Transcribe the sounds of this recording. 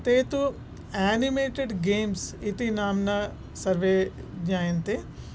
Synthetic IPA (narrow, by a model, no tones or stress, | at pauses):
t̪eːt̪u | ɛːnimeːʈeɖɡeːmsɪt̪inaːmna | sɐɾʋeɲaːɪnt̪e